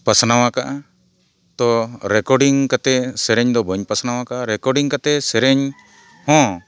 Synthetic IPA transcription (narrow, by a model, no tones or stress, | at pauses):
pasnawakaʔa | t̪ɔɾɛkɔɾɖiŋkat̪ɛsɛɾɛɲd̪ɔbəɲpasnawakaʔaɾɛkɔɖiŋkat̪ɛsɛɾɛɲ | hɔ̃